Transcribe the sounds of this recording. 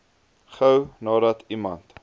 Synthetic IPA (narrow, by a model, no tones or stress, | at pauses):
χəwnɑːdɐtʰimɐnt